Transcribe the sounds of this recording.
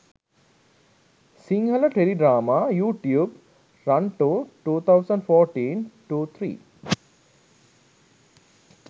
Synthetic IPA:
siŋɦələʈeliɖɾaːmaːjuːʈjuːb | ɾaɳʈuʈuːt̪ʰawsə̃ɳɖfɔːɾʈiːnʈuːt̪ʰɾḭː

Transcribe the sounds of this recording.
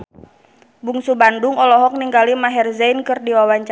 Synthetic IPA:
buŋsubandʊŋɔlɔɦɔk̚niŋɡalimaɦɛrzɛjnkɨrdiwawaɲt͡ʃa

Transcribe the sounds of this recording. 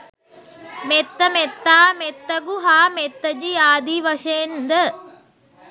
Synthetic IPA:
met̪ːɐmet̪ːaːmet̪ːɐɡuɦaːmet̪ːɐd͡ʒiaːd̪iʋɐʃend̪ə

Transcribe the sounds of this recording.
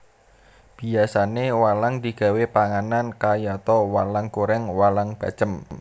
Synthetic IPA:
b̥i̤asanewalaŋd̪i̤ɡ̥a̤wepaŋanankajɔt̪ɔwalaŋkuɾɛŋwalaŋb̥ä̤̥d͡ʒ̥əm

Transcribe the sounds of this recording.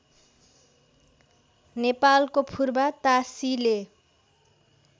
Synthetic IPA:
nepalkopʰurbat̪asile

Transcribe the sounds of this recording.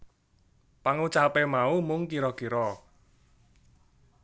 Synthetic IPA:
paŋut͡ʃapemaumʊŋkiɾɔkiɾɔ

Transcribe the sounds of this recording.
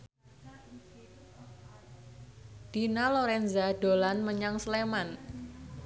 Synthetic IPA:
d̥inaloɾɛnzaɖ̥o̤lanməɲaŋsleman

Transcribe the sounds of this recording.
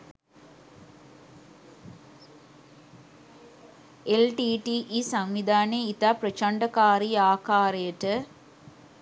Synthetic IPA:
elʈiʈiʔisɐmʋid̪ʱaːneit̪aːprɐt͡ʃɐɳɖɐkaːɾiaːkaːɾɐjɐʈɨ

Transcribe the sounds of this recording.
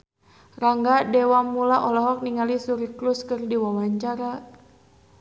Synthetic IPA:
raŋɡadɛwamulaʔɔlɔɦɔk̚niŋalisuɾikluskɨrdiwawaɲt͡ʃaɾa

